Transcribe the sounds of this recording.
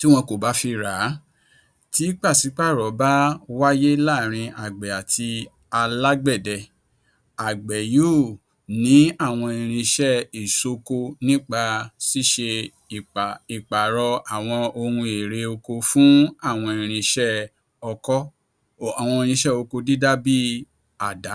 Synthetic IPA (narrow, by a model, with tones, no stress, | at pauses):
ti˦w̃ɔ̃˧ko˨ba˨˦fi˧ɾa˨˦ | ti˨˦k͡pa˦˨si˨˦k͡pa˦˨ɾɔ˨˦ba˦wa˦je˦la˦˨ɾ̃ĩ˧ʔa˨ɡ͡bɛ˨a˨tʰi˧ | a˧la˦ɡ͡bɛ˦˨dɛ˨ | a˨ɡ͡bɛ˨jo˦˨ | nĩ˨˦a˦˨w̃ɔ̃˧e˧˨˧ɾ̃ĩ˧ʃɛ˦i˨so˧ko˧nĩ˦k͡pa˧si˦ʃe˧ | i˨k͡pa˨i˨k͡pa˨ɾɔ˧a˨w̃ɔ̃˧o˧ɾũ˧e˨ɾe˧o˧ko˧fũ˦a˦˨w̃ɔ̃˧e˨ɾ̃ĩ˧ʃɛ˦ | ɔ˧kɔ˦˨ | a˨w̃ɔ̃˧e˧ɾ̃ĩ˧ʃɛ˦o˧ko˧di˦da˦bi˦ | a˦˨da˨˦